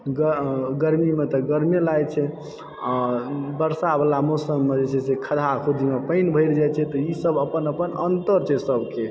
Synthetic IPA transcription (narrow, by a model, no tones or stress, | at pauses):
ɡəɡəɾmimet̪ɔɡəɾmelajt͡ʃʰɛ | abəɾsabəlamosəmːed͡ʒet͡ʃʰɛsekʰəd̪ʱakʰud̪ʱimepəɪnbʱəɪɾd͡ʒajt͡ʃʰɛt̪ɔisəbəpənəpənənt̪əɾt͡ʃʰɛsəbʱke